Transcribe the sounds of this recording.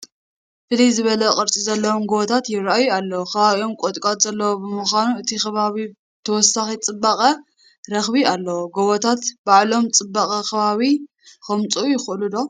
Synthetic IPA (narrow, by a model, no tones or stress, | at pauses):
fɨlizɨβɐlɐkʼɨɾt͡sʼizɐlːɐwomɡoβot̪ʰat̪jɪɾajualːɐwoxʰɐβaβio̞mkʼot̪ʼkʼat̪zɐlːɐwobɨmuxanuɨt̪ʰixɐβaβi | t̪ʰɐwɔsːaxit͡sʼɨbːaxʼɐ | ɾɐxbialːɐwoɡoβot̪ʰat̪baʕlo̞mt͡sʼɨbːaxʼɐkɐβaβi | xɐmt͡sʼujɪxʔɨlud̪o̞